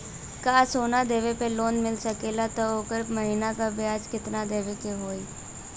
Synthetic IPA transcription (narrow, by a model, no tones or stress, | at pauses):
kaːsoːnad̪eːʋepeloːnmɪlsɐkelat̪ooːkəɾməɦiːnakabɪjaːd͡ʒkɪt̪nad̪eːʋekeɦoːi